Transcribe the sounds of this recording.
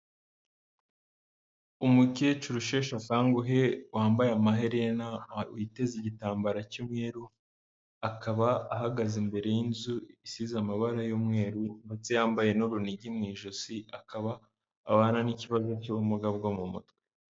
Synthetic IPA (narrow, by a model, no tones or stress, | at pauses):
umucet͡ʃuɾuʃe̞ːʃakaːŋɡoɦewaːmbajamaɦeɾenauite̞ziɟitaːmbaɾacumŋe̞ːɾu | akʰaβaːɦaɡazimbe̞ɾe̞jinzuisizamaβaɾajomŋe̞ːɾuŋɡet͡sejaːmbaje̞nuɾuniɟimŋiːʒosiakʰaβaː | waːnaniciβazo̞coumuɡabɡomumutkwe̥